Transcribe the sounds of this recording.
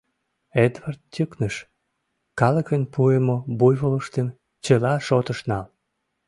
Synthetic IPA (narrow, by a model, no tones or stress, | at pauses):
ed̪vɑrt̪̚t̪ʲəknəʃ | kɑləkənpʰuemobujβoləʃt̪em | t͡ɕəlɑʃot̪əʃnɑl